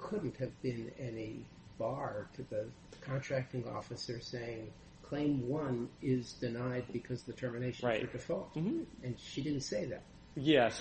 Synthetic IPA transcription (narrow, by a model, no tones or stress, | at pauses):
kʰʊdⁿn̩thɨvbɪ̃nɛni | b̥ɑɹɾʰɨðɨ | kʰɑ̃ntʰɹ̥æk̚tɪ̃ŋɔ̰fɨsə˞seɪɪ̃ŋ | kʰl̥ẽɪ̃mwʌ̃nɪzdɨnaɪd̚bɨkʰʌzðɨtʰɜ˞mɨneɪʃɨ̃aɨ˞dɨfɔlˠtɨ̃nʃidɪdⁿn̩tseɪðæ̰t̚ | jɛs